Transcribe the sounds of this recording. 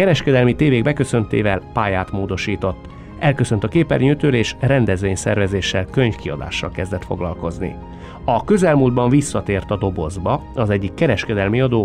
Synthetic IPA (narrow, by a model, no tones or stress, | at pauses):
kɛɾɛʃkɛd̪ɛlmit̪eːveːɡbɛkø̞sø̞nt̪ḛːvɛlpaːjaːt̪moːd̪o̞ʃiːt̪o̞t̪ː | ʔɛlkø̞sønt̪ɒkeːpɛ̰rɲøːt̪øːleːʃrɛnd̪ɛzʋeːɲsɛ̰rvɛzeːʃːɛlkø̞ɲfkiɒ̰d̪a̰ːʃːɒ̰lkɛzd̪ɛt̪fo̞̰ɡlɒ̰lko̞znḭ | ɒkø̞zɛlmuːld̪̚bɒɱvisːɒt̪eːrt̪ɒd̪o̞bo̞zbɒɒzɛɟːikːɛɾɛʃkɛd̪ɛlmiɒd̪oː